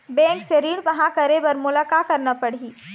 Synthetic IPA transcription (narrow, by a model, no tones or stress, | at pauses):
bɛ̃ːŋkseɾiːɽʋɐɦãkɐɾebɐɾmʊlaːkakɐɾnapɐɽ̤iː